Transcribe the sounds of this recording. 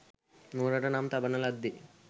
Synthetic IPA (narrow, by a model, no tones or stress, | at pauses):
nuːɾɐʈɐnaːmt̪ɐbɐnɐlɐd̪ːi